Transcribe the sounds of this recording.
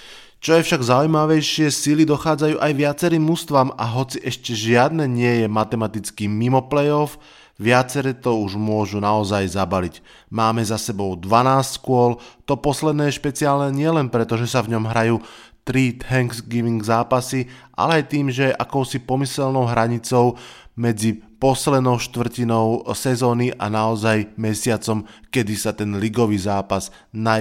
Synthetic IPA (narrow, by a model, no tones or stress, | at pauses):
t͡ʃɔjɛfʃaɡzaujmaʋɛjʃɪɛsilid̪ɔxaːd͡zajuːʔajʋɪat͡sɛɾiːmːust̪ʋamaɦɔt͡siʔɛʃcɛʒɪad̪nɛɲɪɛjɛmat̪ɛmat̪it͡skimimɔplɛjɔf | ʋɪat͡sɛɾɛt̪ɔuʒmʊɔʒunaɔzajzabalic | maːmɛzasɛbɔʊd̪ʋanaːstkʊɔlt̪ɔpɔslɛd̪nɛːjɛʃpɛt͡siaːlnɛɲɪɛlɛnpɾɛt̪ɔʒɛsavɲɔmɦɾajuː | t̪ɾit̪ɦɛŋɡsɡiːmiŋɡzaːpasiʔa̰lɛajt̪iːmʒɛʔakɔʊsipɔmisɛlnɔʊɦɾaɲit͡sɔʊmɛd͡zipɔslɛd̪nɔʊʃt̪ʋr̩cinɔʊsɛzɔːniʔa̰naɔzajmɛsɪat͡sɔmkɛd̪isat̪ɛnliɡɔʋiːzaːpaz | na